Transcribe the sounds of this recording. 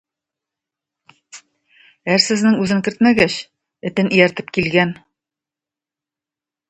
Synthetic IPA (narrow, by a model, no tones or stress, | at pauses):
æɾsɘ̆znɘŋʉzɘŋkɘ̆ɾt̪mæɡæɕ | ɘ̆t̪ɘnɘ̆jæɾt̪ɘp̚kilɡæn